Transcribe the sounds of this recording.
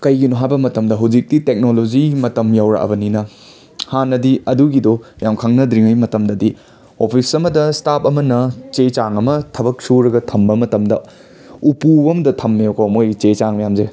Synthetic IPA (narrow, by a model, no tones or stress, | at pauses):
kɐjɡinoɦajbɐmɐtɐmdɐɦɐwd͡ʒik̚ditek̚nolod͡ʒimɐtɐmjawɾa̰ʔɐ̰bɐninɐ | hanːɐdiɐduɡidɔjamkʰaŋnɐdɾiŋɐjmɐtɐmdɐdi | opʰisɐmɐdɐstap̚ʰɐmɐnɐt͡ʃet͡ʃaŋɐmɐtʰɐbɐk̚suɾɐɡɐtʰɐmbɐmɐtɐmdɐ̰ | upuɐmdɐtʰɐmːeokʰomojt͡ʃet͡ʃaŋmɐjamze